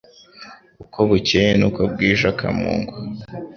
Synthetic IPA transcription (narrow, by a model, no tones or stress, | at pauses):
ukʰoβucejenukob̚ɡiːʒakʰa̰mṵːŋɡwa